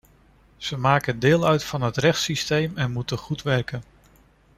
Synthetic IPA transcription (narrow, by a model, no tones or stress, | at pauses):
z̥əmaːkəndɪːlˠœɥtfɑnɦətrɛχtsistejmɛnmutəχutʋɛrkən